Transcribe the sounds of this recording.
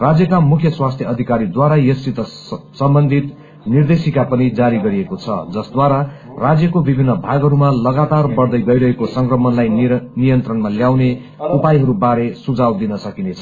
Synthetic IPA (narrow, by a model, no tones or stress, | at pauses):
rad͡zjʌkamukʰjʌswast̪ʰjʌʌd̪ʱikaɾid̪waɾajʌsit̪ʌsʌmbʌnd̪ʱit̪ | nird̪esikapʌnid͡zaɾiɡʌɾiekot͡sʰʌ̰d͡zʌsd̪waɾa | rad͡zjʌkobibʱinːʌbʱaɡɦʌɾumalʌɡat̪arbʌrd̪ʌjɡʌjɾʌɦekosʌŋkrʌmʌnlajnijʌnt̪rʌnmaljawne | upajɦʌɾubaɾesud͡zawd̪inʌsʌkinet͡sʰʌ̥